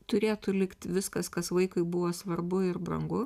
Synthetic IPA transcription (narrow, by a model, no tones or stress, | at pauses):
t̪ʊɾʲeːt̪ʊlʲɪkt̪ʋʲɪskɐskɐsʋɐɪkʊɪbʊʋoːsʋɐɾbʊɪrbrɐ̰ŋɡʊ